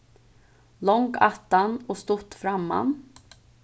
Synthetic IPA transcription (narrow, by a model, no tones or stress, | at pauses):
lɔŋɡat̪ːanɔst̪ʊt̪ːfɾamːa̰n